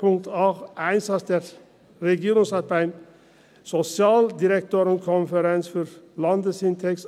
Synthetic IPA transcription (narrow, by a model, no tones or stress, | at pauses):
ʊŋt̪ɑːʋæɪnsɑt̪əɾ | ɾɛɡiːɾʊŋsɑt̪̚pæɪm | sɔsɪɑːld̪ɪɾɛkt̪ʰøːɾənkʰɔnfəɾɛnsfɔɾlɑnd̪əsɪnt̪ʰɛks